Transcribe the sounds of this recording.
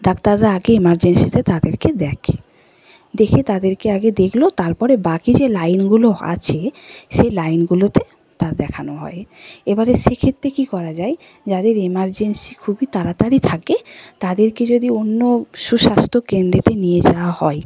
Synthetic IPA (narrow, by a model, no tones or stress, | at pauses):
ɖakt̪aɾːaaɡeemaɾd͡ʑensit̪et̪ad̪eɾked̪ɛkʰe | d̪ekʰet̪ad̪eɾkeaɡed̪ekʰlot̪aɾpɔɾebakid͡ʑelajnɡuloa̰t͡ɕʰeʃelajnɡulot̪e | t̪ad̪ɛkʰanoɦɔ̰eebaɾeʃekʰet̪ːɾekikɔɾad͡ʑae | d͡ʑad̪eɾemaɾd͡ʑensikʰubit̪aɾat̪aɾit̪ʰaket̪ad̪eɾked͡ʑod̪ionːoʃuʃast̪ʰokend̪ɾet̪enijed͡ʑawahɔe